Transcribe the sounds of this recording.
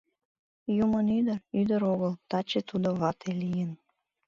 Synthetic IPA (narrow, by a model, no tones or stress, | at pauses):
jumənyd̪əryd̪əɾoɣəlt̪ɑt͡ɕet̪ud̪oβɑt̪ʰelijən